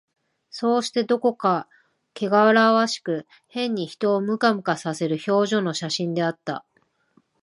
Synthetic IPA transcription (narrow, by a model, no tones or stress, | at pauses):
so̞ːɕi̥t̪e̞d̪o̞ko̞ka | ke̞ɡaβaɾaβaɕi̥kɯ̟ | hẽ̞ɲ̟ːiçi̥t̪o̞ːmɯ̟kamɯ̟kasase̞ɾɯ̟ço̞ːʑo̞noɕaɕĩnd̪e̞at̪ːa̰